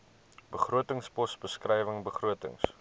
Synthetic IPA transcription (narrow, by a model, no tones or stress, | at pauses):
bəχruətəŋspɔsbəskrɛjvəŋbəχruətə̰ŋs